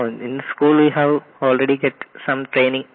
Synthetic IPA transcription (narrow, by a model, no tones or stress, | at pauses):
ɪ̃nd̪əskuːlwihæʋ | oːlreɽiɡeʈsɐ̃mʈɾeːnĩŋ